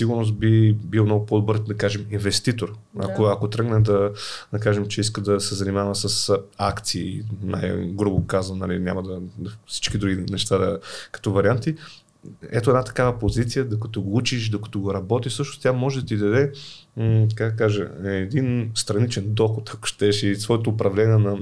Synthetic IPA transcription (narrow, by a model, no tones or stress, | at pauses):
siɡuɾnost̪̚bibilˠmnɔɡʊpɔd̪obəɾd̪ɐkaʒɛminvɛst̪it̪oɾ | ɐ̰koɐkot̪ɾɤɡnɛd̪ɐd̪ɐkaʒɛmt͡ʃɛis̬kəd̪ɐsɛzɐnimavɐsɐsakt̪siːna̰jɡɾubokazənnɐlḭnʲa̰mɐd̪ɐfsi̥t͡ʃkid̪ɾuɡʲinɛʃt̪ad̪ɐkɐ̥t̪ɔvɐɾiant̪i | ɛt̪oɛd̪at̪ɐ̥kavəpozit̪sijəd̪okɐt̪ɔɡout͡ʃiʃd̪okɐ̥t̪ɔɡoɾɐbɔt̪isɤʃnʊst̪ʲamɔʒɛd̪ɐt̪id̪ɐd̪ɛ | t̪ɐkaɡd̪ɐkaʒə̰ɛd̪inst̪ɾɐnit͡ʃɛnd̪ɔxʊt̪ɐkʊ̥ʃt̪ɛʃisvɔjɛt̪oːpɾɐvlɛnʲiɛnɐ